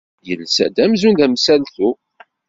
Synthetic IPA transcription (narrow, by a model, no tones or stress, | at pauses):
jənsæ̰d̪æmzund̪æmsælθu